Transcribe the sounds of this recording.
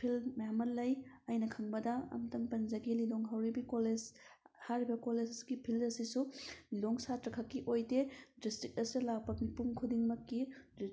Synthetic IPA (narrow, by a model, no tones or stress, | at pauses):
pʰilmjamɐllɐjɐjnɐkʰɐŋbɐdɐɐ̰mtɐŋpɐnzɐɡeliloŋɦawɾibikoled͡ʒ | haɾibɐkoled͡ʒɡipʰilɐsisuloŋsatɾɐkʰɐkːiʔojdedistɾik̚ɐsulapɐk̚mipuŋkʰudiŋmɐkːid